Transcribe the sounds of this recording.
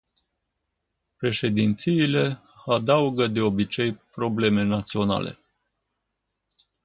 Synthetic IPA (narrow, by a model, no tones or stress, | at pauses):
pɾe̞ʃe̞d̪int̪siːle̞ | ad̪auɡəd̪e̞o̞bit͡ʃe̞jpɾo̞ble̞me̞nat̪sio̞na̰le̞̰